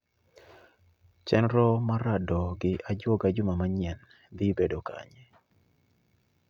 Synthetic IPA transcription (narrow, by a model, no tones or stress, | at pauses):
t͡ʃɛnɾɔmaɾadɔɡɪʔad͡ʒwoɡad͡ʒʊmamaɲɛn | d̪ɪbedoka̰ɲɛ